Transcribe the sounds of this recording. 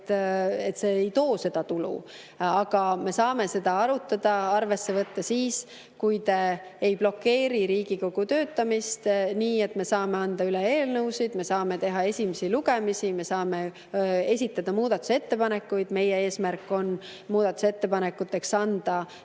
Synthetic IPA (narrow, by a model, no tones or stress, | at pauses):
t̪ːet̪ːse̞ːjt̪o̞ːse̞d̪̥ɑt̪ulṵ | ɑɡ̥ɑme̞sɑːme̞se̞d̪̥ɑɑɾut̪ːˑɑd̪̥ɑɑrve̞sːe̞vɤt̪ːɑsiːs | kujd̪e̞jblo̞kːe̞ːɾiɾiːɡ̥iko̞ɡ̥ut̪ø̞ːt̪ːɑmist̪niːe̞t̪ːme̞sɑːme̞ɑnd̪̥ɑyleeːlnɤwsid̪̥me̞sɑːme̞t̪e̞ɦɑe̞sʲimesiluɡe̞misime̞sɑːme̞ | e̞sʲit̪ˑːɑd̪̥ɑmuːd̪̥ɑt̪ːˑu̥se̞t̪ːe̞pɑne̞kːujd̪̥me̞jee̞ːsmærkːˑo̞n | muːd̪̥ɑt̪ːˑu̥set̪ːe̞pɑnekːˑut̪ːˑe̞ksɑnd̪̥ɑ